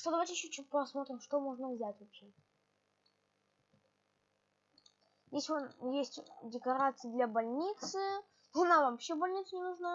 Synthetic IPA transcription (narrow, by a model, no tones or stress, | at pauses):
ʂt̪od̪ɐvajtʲɪjɪɕːot͡ɕːutʲpɐsmo̞t̪ɾʲɪmʂt̪o̞mo̞ʐnəvzʲætʲvɐpɕe | jesʲɪvajesʲtʲdʲɪkɐɾat̪sɨjəd̪lʲabɐlʲnʲit̪sɨ | nɐnavɐpɕːebɐlʲnʲit̪sənʲɪnʊʐna